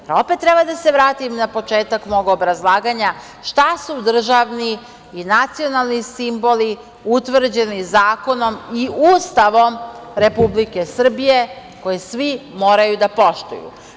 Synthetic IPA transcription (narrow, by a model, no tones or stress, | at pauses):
pɾaopet̪ːɾe̞bad̪ase̞ʋɾaːt̪imnapo̞t͡ʃe̞ːt̪akmo̞ɡobɾazlˠaːɡaɲa | ʃt̪asud̪r̩ʒaʋniː | nat̪sionalˠnisimbo̞li | ut̪ʋr̩d͡ʑe̞nizaːko̞no̞miuːst̪aʋo̞mɾe̞publike̞sr̩bije̞ | ko̞jesʋimo̞ːɾajud̪apo̞ʃt̪ṵjṵ